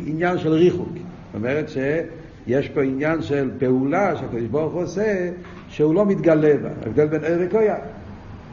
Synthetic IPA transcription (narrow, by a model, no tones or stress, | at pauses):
injanʃɛlʁiχuk | to̰mɛʁɛtʃe | jɛʃpoinjanʃɛlpeulaʃeakojdɪʃboʁχuosɛ | ʃɛulomit̪ɡalɛba̰a̰vd̪ɛlbɛnoɪʁekoja